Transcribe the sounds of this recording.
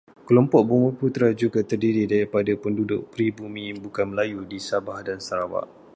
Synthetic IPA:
kəlɔmpɔʔ̚bumũput̪ɾad͡ʒuɡat̪ərdiɾidaɾipadapəndudʊ̰ʔ̚pɾibumĩbukanməlajudisabahdansaɾawa̰ʔ

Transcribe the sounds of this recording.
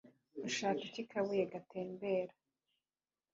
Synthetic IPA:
uʃaːkicikʰaβujeɡatʰe̞ːmbeːɾa

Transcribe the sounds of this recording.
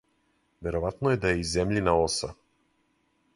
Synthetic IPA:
vɛɾɔvat̪noɛd̪aɛizɛmlʲinaɔsa

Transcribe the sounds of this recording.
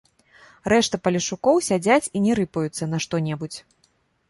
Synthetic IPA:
ɾɛʂt̪ɐpɐlʲiʂukɔwsʲad͡zʲat͡sʲinʲɛɾɨpɐjut̪sːɐnɐʂt̪ɔnʲɛbut͡sʲ

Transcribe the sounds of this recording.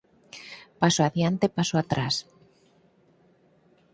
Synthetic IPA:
pasoaðjant̪epasoat̪ɾas

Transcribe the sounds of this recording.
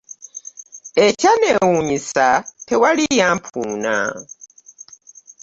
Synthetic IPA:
ɛt͡ʃanɛwumisapʰɛwalijampʰuːna̰

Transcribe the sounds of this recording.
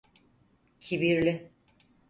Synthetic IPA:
cʰibiɾlʲɪ

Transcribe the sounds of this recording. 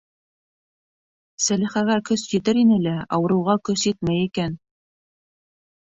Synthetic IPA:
sælɘ̆χæɣæɾkɵsjɘ̆t̪ɘɾinɘlæɑ̰wɤ̆ɾɤ̆wʁɑkɵsjit̪mæjikæn

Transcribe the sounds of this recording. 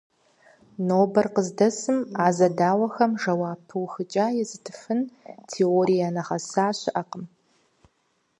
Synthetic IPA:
noːbɐrqəzdɐsɨmaːzɐdaːwɐxɐmʐɐwaːpʰːɨwxɨt͡ʃʼaːjɛzɨtʰɨ̥fɨntʰeoɾijanɐʁɐsaːɕɪʔɐqəm

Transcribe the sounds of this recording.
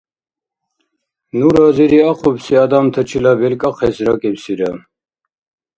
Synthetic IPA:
nuɾaziɾiaqʰubsiad̪amt̪ʰət͡ʃʰilabɛlkʼaqʰɛsɾakʼɛpsiɾa

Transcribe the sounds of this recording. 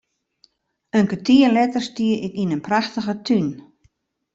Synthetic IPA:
øŋkətʰiəlɛtərstiəɪkinənpraxtəɣətʰyn

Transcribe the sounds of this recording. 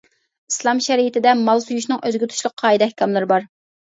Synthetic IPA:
i̥slˠɑmʃɛɾijit̪ʰɪd̪ɛmɑlˠsujuʃnɨŋøzɡʲyt̪ʰu̥t͡ʃlˠʊq̚ʰːɑːjid̪ɛhkʲɑmlˠɪɾɪbɑɾ

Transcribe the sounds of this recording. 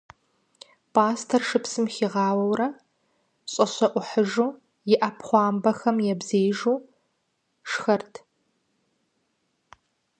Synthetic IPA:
pʰaːstʰɐrʂɨpsɨmxiːʁɑːwɐwrɐ | ɕʼɐɕɐʔʷʊħəʒuː | jɪʔɐpʰχʷɑːmbɐxɐmjɛbzeːʒuː | ʂxɐrtʰ

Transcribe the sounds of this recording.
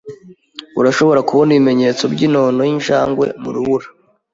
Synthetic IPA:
uɾaʃo̞βo̞ɾakuβondiβime̞ɲe̞ːt͡so̞bɟiːno̞ːnojinʃaːŋɡwe̞̰mṵɾuβuɾa

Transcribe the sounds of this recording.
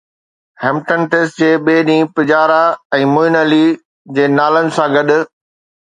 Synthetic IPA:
hɛ̃ːmʈə̃nʈesd͡ʑeːɓeːɗĩːpɪd͡ʑaːɾaɛ̃ːmʊɪnəli | d͡ʑeːnaːlənɪ̆sãɡɐɗʊ̆

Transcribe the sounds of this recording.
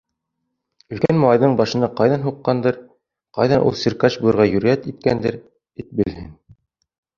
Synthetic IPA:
ɵ̆ðkænmɑlˠɑjðɤɴbɑʃɤ̆nɑqɑjðɑnɦuqːɑnd̪ɤɾ | qɑ̰jðɑnʔṵlˠsiɾkɑt͡ʃbujˠɤ̆ɾʁɑjɵ̆ɾæt̪it̪̚kænd̪ɘɾ | it̪̚bɘ̆lhɘn

